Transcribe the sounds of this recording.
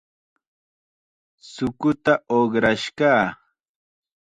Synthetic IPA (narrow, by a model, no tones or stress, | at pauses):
sʊkʊt̪aʔoχɾaʃkaː